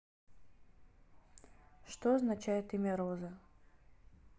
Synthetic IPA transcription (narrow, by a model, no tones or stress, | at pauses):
ʂt̪oɐznat͡ɕæjɪt̪imʲɛɾozɐ